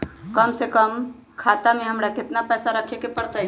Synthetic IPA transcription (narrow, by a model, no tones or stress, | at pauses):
kəmsekəm | kʰat̪amẽɦəmɾakɪt̪napɛːsaɾəkʰekepəɽt̪əɦ